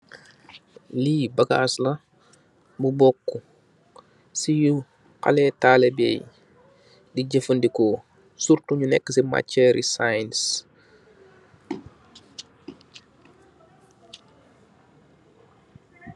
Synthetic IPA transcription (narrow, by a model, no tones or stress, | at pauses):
liːbɐɡaslɐ | bubɔkːu | siju | qa̰lɛtaːlɛbɛ̰ːj | diɟəfəndikɔ | suɾtuɲunɛkːəsima̰cːɛɾisajns